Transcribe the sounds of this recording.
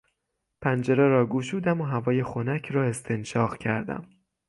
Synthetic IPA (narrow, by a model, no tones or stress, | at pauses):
pʰænd͡ʒeɾeɾɒːɡuːʃuːd̪æmoɦævɒːje̞xonæcʰɾɒːe̞st̪ʰenʃɒːʁcʰæɾd̪æ̰m